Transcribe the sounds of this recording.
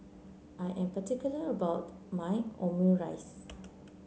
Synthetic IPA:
ʔajʔɛ̃mpətikjuləəbawtmãɪõməɹajs

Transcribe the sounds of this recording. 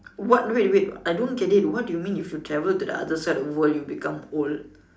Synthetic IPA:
wɔt̚duitwit̚ajdõnkɛditwɔt̚dujumĩnifjutʰɹɛvəltudə̰a̰dəsaɪtɔfwəljubikãmol

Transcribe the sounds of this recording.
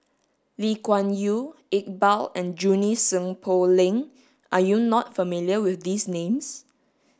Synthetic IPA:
likwãnjuek̚balɛ̃nd͡ʒunisə̃ŋpʰolɪ̃ŋ | ʔajunɔtfəmiljəwɪθdisnẽms

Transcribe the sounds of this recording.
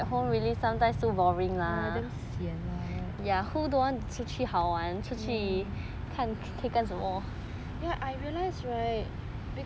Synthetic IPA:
t̚ɦõmɹilisãmtãj̃mstobɔɹĩŋladɛ̃msiə̃najahudowãnt͡ʃʰut͡ʃʰihawãnt͡ʃʰut͡ʃʰi | kʰãn | kʰekãnsəmɔ | jaʔajɹiəlaɪsɹaɪt̚ | bi

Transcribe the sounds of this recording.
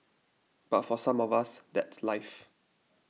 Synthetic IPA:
b̥atfɔsãmɔvasdɛtslaɪf

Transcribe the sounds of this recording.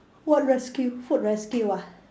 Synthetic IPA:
wɔt̚ɹɛskjufut̚ɹɛskjua

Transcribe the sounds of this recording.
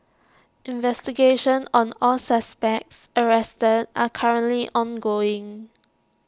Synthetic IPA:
ʔɪ̃nvɛstiɡeʃə̃nɔ̃nɔlsaspɛk̚səɹɛstəda̰kʰaɹə̃nʔliʔɔ̃nɡoɪ̃ŋ

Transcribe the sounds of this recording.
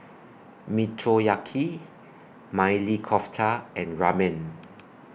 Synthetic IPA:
mitʰɹojakʰi | majlikʰɔftʰaɛ̃nɹamɛ̃n

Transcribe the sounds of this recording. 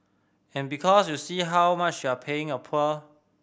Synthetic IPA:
ɛ̃nbikʰɔsjusiːɦawmat͡ʃjuapʰeɪ̃ŋəpʰɔl

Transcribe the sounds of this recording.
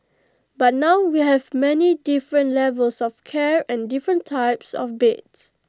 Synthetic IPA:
bat̚nawwiɦɛvmɛnidifɹə̃ntlɛvəlsɔfkʰɛɹɛ̃ndifɹə̃ntʰːaɪpsɔ̰fbets

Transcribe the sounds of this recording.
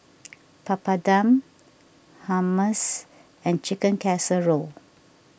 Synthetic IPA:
papadãm | haməs | ɛ̃nt͡ʃikə̃nkɛsəɹo

